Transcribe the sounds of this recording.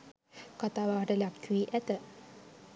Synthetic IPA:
kat̪aːʋaːʈəlakːʋiʔæt̪ə

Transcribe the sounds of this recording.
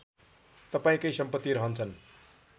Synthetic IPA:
t̪ʌpaĩkʌjsʌmpʌt̪ːiɾʌɦʌnt͡sʰʌn

